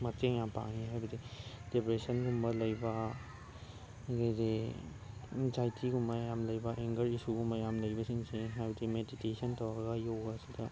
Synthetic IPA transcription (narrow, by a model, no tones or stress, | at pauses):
mɐteŋjapa̰ŋiɦajbɐdid̥epɾesɐnɡumbɐlɐjbɐ | ɡejde | d͡ʒajtʰiɡumɐjamlɐjbɐʔeŋɡɐɾisuɡumbɐjamlɐjbɐsiŋseɦajtimeditesɐntɐwaɡɐjowɡaːsidɐ